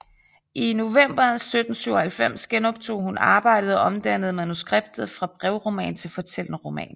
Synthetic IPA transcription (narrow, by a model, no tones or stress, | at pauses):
ʔino̝ʋem̰b̥ɐnsød̥n̩syʊɐhælfem̰sɡ̥enɒ̽b̥̚t͡sʰo̝̰ːhunɑ̈ːb̥ɑ̈ɪ̰dəð̞̩ˠɒ̽ʔɒ̽md̥æn̰əð̞̩ˠmænusɡ̥ʁeb̥̚d̥ð̩ˠfʁɑ̈b̥ʁɛʊʁo̝mɛ̰ːnt͡sʰe̝lfɒ̽t͡sʰel̰nəʁo̝mɛ̰ːn